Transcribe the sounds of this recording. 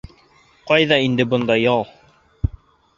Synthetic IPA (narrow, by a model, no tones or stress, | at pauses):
qɑjðɑind̪ɘbŏnd̪ɑjɑlˠ